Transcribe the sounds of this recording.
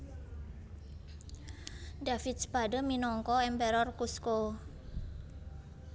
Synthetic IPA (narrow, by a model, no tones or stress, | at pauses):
dafit̪̚spadəminɔŋkɔɛmbɛɾɔrkusko